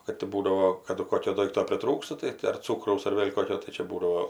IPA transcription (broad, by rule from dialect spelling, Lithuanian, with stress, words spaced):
ˈkɐt tʲɪ ˈbuːdɐoː ˈkɑːdʊ ˈkoːkʲoː ˈdoːɪktoː pʲrʲɪˈtruːkstɐ tɐɪ tʲɪ ɐr ˈt͡suːkrɐʊs ɐr ˈʋʲeːlʲ ˈkoːkʲoː tɐɪ ˈt͡ʃʲɛ ˈbuːdɐʋoː